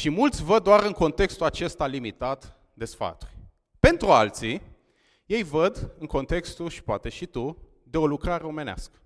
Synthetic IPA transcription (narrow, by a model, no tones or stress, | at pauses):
ʃimult̪sʲvəd̪̚dːoaɾɨŋko̞nt̪e̞kst̪ulat͡ʃe̞st̪alimit̪at̪ | d̪e̞sfa̰t̪u̥rʲ | pe̞nt̪ɾualt̪si | je̞jvəd̪ɨŋko̞nt̪e̞kst̪uʃi̥poat̪e̞ʃit̪u | d̪e̞o̞lukɾaɾeo̞me̞nea̰skə̥